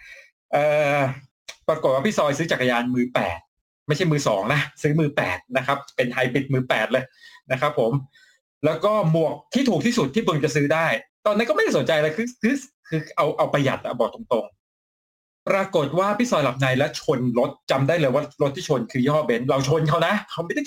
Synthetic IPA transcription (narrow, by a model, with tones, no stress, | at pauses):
ʔɤː˧˩ | pɾaː˧ko˨˩t̪wa˥pʰi˦˥˩sɔː˧jsɯː˦˥t͡ɕaː˨˩ka˧jaː˧nmɯː˧pɛ̰ː˨˩t̪̚ | ma˥˩jt͡ɕʰa˥˩jmɯː˧sɔ̰ː˩˦ŋna˦˥ʔsɯː˦˥mɯː˧pɛ̰ː˨˩t̪̚na˦˥kʰa˦˥p̚pe˧nt̪ʰa˧jbi˨˩t̪̚mɯː˧˩pɛː˨˩t̪̚lɤː˧jna˦˥kʰɾa˦˥pʰːo˩˦m | lɛː˦˥wkɔː˥˩mu˨˩ək̚t̪ʰiː˥˩t̪ʰuː˨˩t̪ʰiː˥˩su˨˩t̪ʰːiː˥˩bɯ˧ŋt͡ɕa˨˩sɯː˦˥daː˥˩jt̪ɔː˧nːa˦˥kɔ˥m˥˩jda˥˩snt͡ɕa˧jlaː˧kʰɯː˧kʰɯː˧˥ | kʰɯː˧ʔa˧wʔa˧wpɾa˧ja̰˨˩t̪̚ʔa̰˨˩bɔː˨˩t̪o˧ŋt̪o˧ŋ | pɾaː˧ko˨˩t̪̚waː˥˩pʰi˦˥sɔː˧jla˨˩p̚na˧jlɛ˦˥wt͡ɕʰo˧nɾo˦˥t̪̚t͡ɕa˧mdaː˥˩jlɤː˧jwaː˥˩ɾo˦˥t̪ʰːiː˥˩o˧nkʰɯː˧jɔː˥˩be˦˥nla˧˩wt͡ɕʰo˧nkʰa˦˥wna˦˥ʔkʰa˦˥wma˥˩jt̪a˥˩